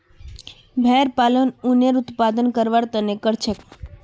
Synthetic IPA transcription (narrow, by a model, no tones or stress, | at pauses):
bʱɛɾpalənuneɾut̪pad̪ənkəɾʋaɾt̪ənekəɾt͡ʃʰek